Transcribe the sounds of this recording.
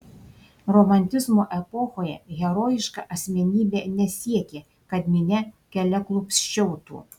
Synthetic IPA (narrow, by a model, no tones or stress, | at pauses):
ɾɔmɐnʲt̪ʲɪzmoːʔɛpɔxoːjɛ̰ɣʲɛɾoːjɪʃkɑ̰ʔɐsʲmʲɛnʲiːbʲeːnʲɛsʲiɛkʲeː | kɐd̪ʲmʲɪnʲɛkʲɛlʲɛklˠʊpsʲt͡ʃʲɛʊt̪ṵː